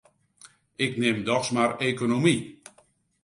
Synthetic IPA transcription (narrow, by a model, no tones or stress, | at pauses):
ɪknɪmdɔxsmarekonomi